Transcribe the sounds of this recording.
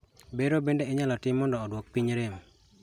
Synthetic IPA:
beɾobendeɪɲalɔtɪmːɔndɔːdwɔk̚piɲɾem

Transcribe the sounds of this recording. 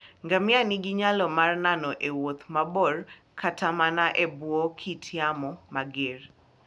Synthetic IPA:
ŋɡamɪaniɡɪɲalɔmarnanɔʔewot̪mabɔr | kʰatamanaʔebwɔkʰitʰjamɔmaɡɪr

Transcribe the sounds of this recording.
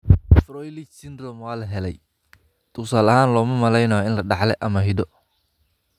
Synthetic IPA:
frɔjlɪt͡ʃsɪnd̪rɔmwaːlɐɦɛlɛj | t̪ʰʊsaːlɐɦaːnlɔːmɐmɐlɛjnɐjɔɪnlɐɖɑħlɛ̰jʔɐmɐɦɪd̪ɔ

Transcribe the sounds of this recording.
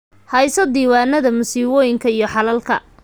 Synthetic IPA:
hɛjsɐd̪iːwaːnɐðɐmʊsiːβɔːjɪŋkʰɐijɞħɑlɐlkʰɐ

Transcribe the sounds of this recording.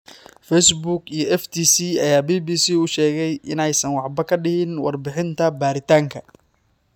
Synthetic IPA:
fɛjsbʊɡijɞʔɛft̪ʰiːsiːɐjaːbiːbiːsiːʊʃɛːɣɛjɪ̰nɛjsɐnwɑħbɐkʰɐɖɪhɪnwɑrbɪħɪnt̪ʰɐbaːɾɪt̪ʰaːŋkʰɐ

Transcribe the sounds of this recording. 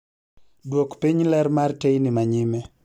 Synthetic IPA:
dwokpiɲlɛɾmartejnɪmaɲɪmɛ

